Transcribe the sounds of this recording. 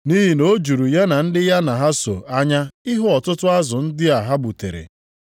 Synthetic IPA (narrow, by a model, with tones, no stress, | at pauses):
ni˦ɦi˨no˦d͡ʒu˨ɾu˨ja˦na˨n̩˦dɪ˦ja˦na˨ɦa˦so̰˨a˦ɲa˦ɪ˦ɦʊ˦ɔ˨tʊ˦tʊ˦a˦zʊ˨n̩˦dɪ˦a˨ɦa˦bu˨te˨ɾḛ˨